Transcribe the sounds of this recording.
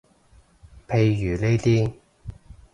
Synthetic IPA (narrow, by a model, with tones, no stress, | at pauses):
pʰe˨˧jːyː˨˩ne˥jt̪iː˥